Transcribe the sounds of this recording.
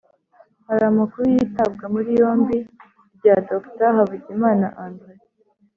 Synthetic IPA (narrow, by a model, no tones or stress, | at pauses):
haɾamakuɾujitab̚ɡamuɾijo̞ːmbi | bɟadoktaɦaβuɟimaːnaʔaːndɣe